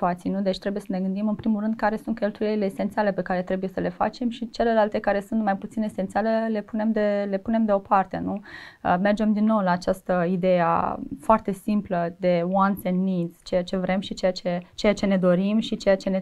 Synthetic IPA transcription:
uat̪sijnud̪et͡ʃʲt̪ɾe̞buje̞səne̞ɡɨnd̪imɨnpɾimulrɨnd̪̚kaɾe̞sunt̪̚kʲe̞lt̪uje̞ɾileːsent̪siale̞pe̞kaɾe̞t̪ɾe̞buje̞səle̞fa̰t͡ʃe̞mʃit͡ʃe̞le̞lalt̪e̞kaɾe̞sunt̪majput̪sinesent̪sialele̞pune̞md̪ele̞pune̞md̪e̞o̞part̪e̞̰nuə̰me̞rd͡ʒe̞md̪inːo̞wlaːt͡ʃast̪əid̪e̞ja̰foart̪e̞simpləd̪e̞wansenːiz̥t͡ʃe̞jat͡ʃe̞vɾʔe̞mʃit͡ʃe̞jat͡ʃe̞t͡ʃe̞jat͡ʃe̞ne̞d̪o̞ɾimʃit͡ʃe̞jat͡ʃe̞ne

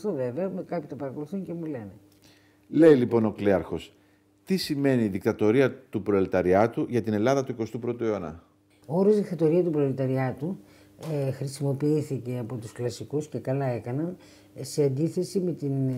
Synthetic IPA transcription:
st̪ove̞veɐmekɐpit̪opɐɾɐko̞luθuɲce̞mule̞ne | le̞ilipo̞no̞kleɐɾxo̞s | t̪isime̞niːðikt̪ɐt̪o̞ɾiɐt̪upɾoelit̪ɐɾiɐt̪uʝɐt̪ine̞lɐðɐt̪uiko̞st̪upɾo̞t̪ueonɐ̰ | ooɾozðikt̪ɐt̪o̞ɾiɐt̪upɾo̞elit̪ɐɾiɐt̪u | xɾisimo̞piiθice̞ɐpo̞t̪usklɐsikusce̞kɐlɐe̞kɐnɐn | se̞ɐnd̪iθe̞sime̞t̪in

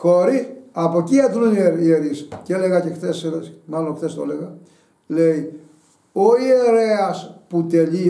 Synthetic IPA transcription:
xoɾiɐpo̞cieθnunieɾieɾisceleɣɐcexθeselemɐloxtθest̪o̰leɣɐ | lei | oieɾeɐsput̪eʎi

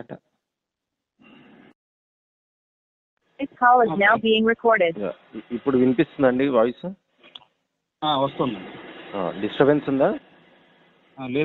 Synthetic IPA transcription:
ʈa | ɪshalɪznaʊbiːɪ̃ŋɾɛkʰɔːɾɖɪdja̰ | ipːuɽuʋinpist̪und̪ɐɳɖiʋaːjsu | aʋɐst̪und̪ia̰ɖisʈɾɐbensund̪aː | ale

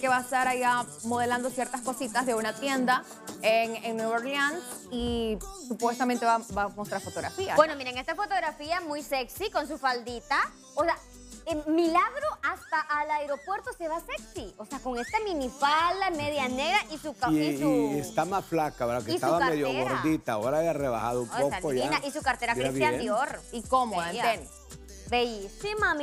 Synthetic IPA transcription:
keβaest̪aɾajamo̞ð̞e̞land̪o̞sje̞ɾt̪asko̞sit̪azðeunat̪je̞nd̪a | eŋeŋnweβeɾlanisupwe̞st̪ament̪e̞βabamo̞st̪ɾaɾfo̞t̪o̞ɣɾa̰fiabweno̞miɾeŋe̞st̪afo̞t̪o̞ɣɾafiamujse̞ksiko̞ns̬ufald̪it̪a | osea | emilaɣɾo̞ʔast̪aʔːlaeɾopwe̞ɾt̪o̞se̞βaseksio̞seako̞ŋe̞st̪amĩnifald̪ameðjane̞ɣɾaʔisukaest̪amasflakaoɾakeistauβaameðjoɣoɾðit̪aoɾaeareβa̰xa̰ðoumpokaoinaʔisukaɾt̪e̞ɾakkɾiast̪jand̪joɾikomoaen | beʝisimam

